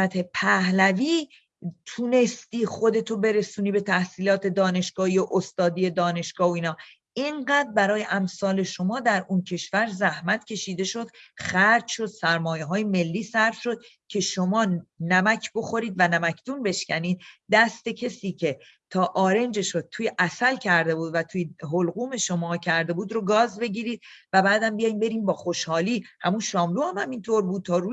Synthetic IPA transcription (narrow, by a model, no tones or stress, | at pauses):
æt̪ʰe̞pʰæhlæviː | t̪ʰune̞st̪iːχo̞d̪e̞t̪ʰobe̞ɾe̞suːniːbe̞t̪ʰæhsiːlɒːt̪ʰe̞d̪ɒːne̞ʃɡ̥ɒːhiːoʔost̪ɒːd̪iːje̞d̪ɒːne̞ʃɡ̥ɒːoiːnɒː | eŋɢæːd̪̚bæɾɒːje̞ʔæmsɒːle̞ʃo̞mɒːd̪æɾuncʰe̞ʃvæɾzæhmæt̪ʰcʰʲe̞ʃiːd̪e̞ʃo̞d̪̥xæɾd͡ʒʃo̞d̪̥sæɾmɒːjeɦɒːjeme̞lːiːsæɾfʃo̞d̪̥̚ | cʰe̞ʃo̞mɒːnæmæcʰbo̞xo̞ɾiːd̪vænæmæcʰd̪unbe̞ʃcæniːd̪̚d̪æst̪e̞cʰe̞siːcʰe̞ | t̪ʰɒːʔɒːɾe̞nd͡ʒe̞ʃod̪̚t̪ʰuːjeʔæsælcʰæɾd̪e̞buːd̪væt̪ʰuːjeɦolɣuːme̞ʃo̞mɒːcʰæɾd̪e̞buːd̪ɾoɡɒːzbe̞ɟiːɾiːd̪̚væbæːd̪æmbijɒjimbe̞ɾiːmbɒːxo̞ʃhɒːliːhæmunʃɒːmluːhæmhæmint̪ʰoɾbuːd̪̚t̪ʰɒːɾu